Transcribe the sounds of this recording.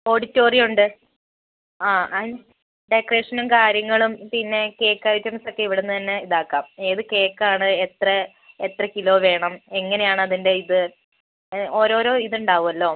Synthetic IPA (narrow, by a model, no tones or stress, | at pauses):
o̞ːɽitːo̞ːrijuɳɖɨ | aːɐin | ɖekreːʂɐnɐmkaːɾjɐŋːɐɭumpinːe̞ke̞ːkːaːjit͡ɕːɐmɐsokːeiʋiɽenːɨt̪ɐnːe̞iðaːkːaːmeːðɨke̞ːkːaːɳɨet̪rɐ | et̪rɐkilo̞ːʋe̞ːɳɐmeŋːɐne̞jaːɳɨɐðinde̞iðɨ | o̞ːɾo̞ːɾo̞ːiðuɳɖaːʋumɐlːo̞ː